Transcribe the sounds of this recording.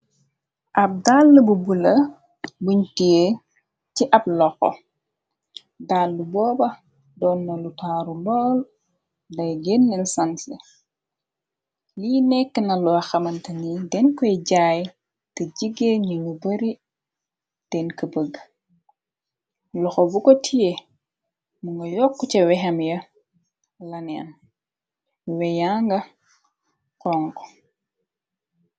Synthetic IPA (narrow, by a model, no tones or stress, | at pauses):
ʔɐp̚daːlːəbubulɐ | buɲtije | ciʔɐb̚lɔxɔ̰ | dalːubɔːbɐ | dɔːnːɐlutaːɾulɔːl | dɐjɡenːinsɐnsi | liːnɛkːənɐluɐxɐmɐntɐnidɛnkɔjɟaːj | tɐɟiɡːeɲuɲubɐɾi | d̥ɛnkəbəɡ | lɔxɔbukɔtʰije | muŋɡɐjɔkːut͡ʃɐwɛɦɐmjɐ | lɐnɛ̰n | wɛjaːŋɡɐ | kɔːŋkɔ̥